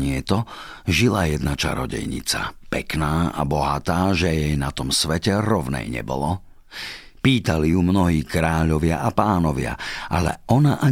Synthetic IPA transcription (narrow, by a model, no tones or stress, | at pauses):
ɲɪɛt̪ɔ | ʒilajɛd̪nat͡ʃa̰ɾɔ̰ɟɛ̰jɲḭt͡sa̰pɛknaːa̰bɔɦat̪aːʒɛjɛjnat̪ɔmsʋɛcɛɾɔʋnɛ̰jɲɛ̰bɔ̰lɔ | piːt̪alijumnɔɦiːkɾaːʎɔʋɪaʔapaːnɔʋɪa̰ʔalɛ̰ɔnaʔa